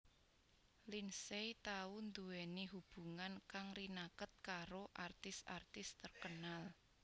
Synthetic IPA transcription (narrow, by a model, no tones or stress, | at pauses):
linsejt̪aund̪uwɛniɦub̥ṳŋankaŋrinakət̪̚kaɾoʔart̪ɪsa̰rt̪ɪst̪ərkənal